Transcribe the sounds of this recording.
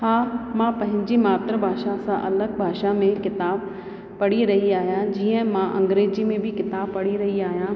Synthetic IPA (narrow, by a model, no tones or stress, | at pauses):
haːmãpɐ̃ɦɪ̃ɲd͡ʑimaːt̪ɾəbʱaːʃasãʔɐləɡ̚bʱaːʃamẽkɪt̪aːb | pɐɽiɾɐɦiaːɦijãd͡ʑiːə̃mãʔɐ̰̃ŋɡɾeːd͡ʑimẽbʱɪkɪt̪aːbpɐɽiɾɐɦiaːɦijãː